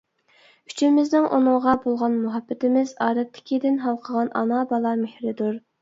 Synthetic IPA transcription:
yt͡ʃʰɪmɪznɪŋʔṵnɨŋʁɑbolˠʁɑnmuɦɑbːɪt̪ɪmɪzɑːɾɛt̪ʰːɪ̥kʲid̪ɪnɦɑlˠqʰəʁɑnʔɑ̰nɑbɑlˠɑmehɾɪd̪uɾ

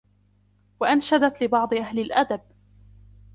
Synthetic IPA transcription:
waʔanʃad̪at̪lɪbɑʕd̪ˤɨʔahlɪlʔad̪ab̚

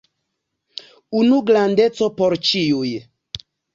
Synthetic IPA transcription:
unuɡɾand̪et͡sopoɾt͡ʃiuj

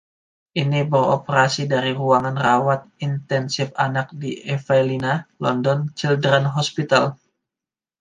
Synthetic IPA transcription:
ʔinibəro̰pəɾasidaɾiruaŋanrawat̪̚int̪ɛnsɪfanak̚diʔɛfalinalɔndɔnt͡ʃildɾanɦɔspit̪al

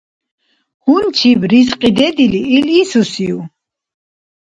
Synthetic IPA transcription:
hunt͡ʃʰibɾisqʼid̪ɛd̪iliːlisusiu

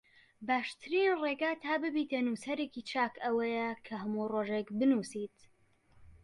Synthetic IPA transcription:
baːʃt̪ʰɨɾinreːɡaːt̪ʰaːbɨbit̪enusɐɾekit͡ʃʰaːkʰɐwɐjɛkʰɐɦɐmuroːʒekbɨnuːsit̪

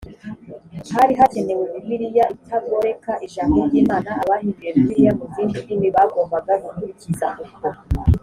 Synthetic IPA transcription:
haɾiɦate̞ne̞wemiβiɾijaʔitʰabɡoɾe̞kaʔiʃaːkoɟiːmaːnaːβahiŋɡijemuβiɾijakuziːndinimiβaɡoːmbaɡaɡukuɾiciza

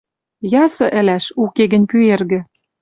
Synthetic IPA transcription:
jɑsɤ̆ʔɘ̆læʃukeɣə̆nʲpyerɣɘ̆

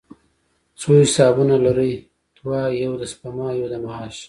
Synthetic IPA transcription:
t͡soɪsɑːbunalaɾəj | t̪wɑːjawd̪aspamɑjod̪amaɑʃ

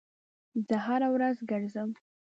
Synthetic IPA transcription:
zəɦaɾawɾazɡəɾzəm

